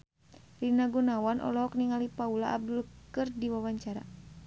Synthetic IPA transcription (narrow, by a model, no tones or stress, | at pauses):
rinaɡunawanʔɔ̰lɔɦɔk̚niŋalipaulaːb̚dulkɨrdiwawaɲt͡ʃaɾa̰